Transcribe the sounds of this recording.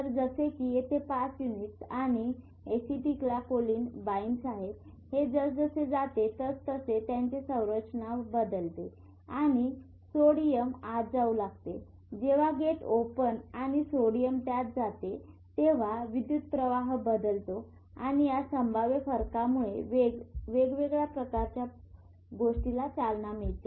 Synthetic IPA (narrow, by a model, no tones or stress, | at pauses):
t̪əɾd͡zəsekijet̪ʰepasjuniʈsaɽ̃i | esiʈiklakoliːnbainsaɦet̪ | hed͡zəd͡zəsed͡zat̪et̪əst̪əset̪jaɲt͡ɕesə̃w̃ɾət͡ɕənabəd̪əlt̪e | aɽ̃i | soɽijəmad͡zaulaɡ̚t̪e | d͡ʑeʋ̤aɡeʈopənaɽ̃isoɽijəmt̪jat̪̚d͡zat̪e | t̪eʋ̤aʋid̪jut̪̚pɾəʋaɦbəd̪əlt̪o | aɽ̃ijasəmbʱaʋjefəɾkamuɭeʋeʋeɡʋeɡɭjapɾəkaɾt͡ɕja | ɡoʂʈilat͡salnamiɭt̪e